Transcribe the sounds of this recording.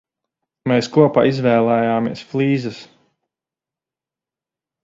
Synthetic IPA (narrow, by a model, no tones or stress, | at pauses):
mɛːskuɔpa̰ːizvɛːlˠɛjaːmiɛsflˠiːzɨs